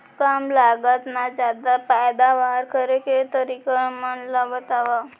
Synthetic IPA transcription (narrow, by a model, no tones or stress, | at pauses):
kamlaɡat̪nad͡ʒad̪apajd̪aʋaɾkəɾeket̪əɾikəmənlabət̪aʋa